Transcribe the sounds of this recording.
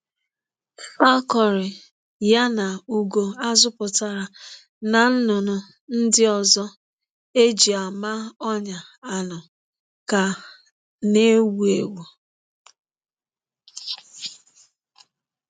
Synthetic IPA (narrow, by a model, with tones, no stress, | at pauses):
fa˦kɔ˨ɾɪ˨ | ja˦na˨u˨ɡo˨a˦zʊ˦pʊ˨ta˨ɾa˨ | na˨n̩˦nʊ˨nʊ˨ | n̩˦dɪ˦ɔ˨zɔ˦ | e˦d͡ʒi˨a˨ma˦ɔ˦ɲa˨a˦nʊ˨ | ka˨ | ne˦wu˨e˨wu˨